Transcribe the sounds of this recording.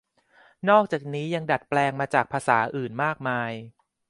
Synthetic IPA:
nɔː˥˩k̚t͡ɕaː˨˩k̚niː˦˥ja˧ŋda˨˩t̪̚plɛː˧ŋmaː˧t͡ɕaː˨˩k̚pʰaː˧saː˩˦ʔɯː˨˩nmaː˥˩k̚maː˧j

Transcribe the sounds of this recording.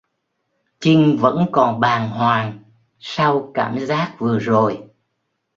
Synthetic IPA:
t͡ɕï˧ŋvə̰˧˥nkɔ˨˩nɓaː˨˩nɦwaː˨˩ŋ | sa˧wkaː˧˩mzaː˦˥k̚vɨ˨˩əzo˨˩j

